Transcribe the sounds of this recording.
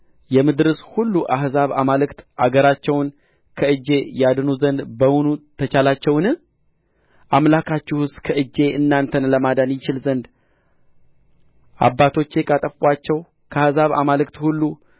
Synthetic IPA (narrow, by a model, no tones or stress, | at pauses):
jɛmɨd̪ɾəshulːuʔahzaβa̰malɨkt̪ʔaɡəɾat͡ʃːɛwn | kʰəɨd͡ʒːe̞jad̪ɨnuzənd̪bəwunut̪ʰət͡ʃalat͡ʃːɛwnɨ | ʔamlakʰat͡ʃːuhɨst̪kʰəɨd͡ʒːe̞ʔɨnːant̪ʰənləmad̪anjɪt͡ʃɪlzənd̪ | ʔa̰bːat̪ʰo̞t͡ʃːe̞kʼat̪ʼəfwat͡ʃːɛw | kʰəahzaβa̰malɨkt̪hulːu